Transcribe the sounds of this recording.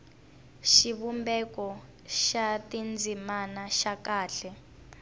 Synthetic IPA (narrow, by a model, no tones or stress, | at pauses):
ʃiβumbɛkɔ | ʃatind͡zimanaʃakaːɬɛ